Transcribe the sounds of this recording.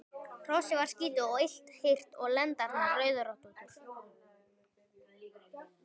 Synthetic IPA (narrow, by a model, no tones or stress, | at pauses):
r̥ɔsɪvaɾ̥sciːt̪ʏɔɪjl̥t̪hɪr̥t̪ɔɣlɛnt̪aɾnarœːɥðʏɾɔht̪unt̪ʏɾ̥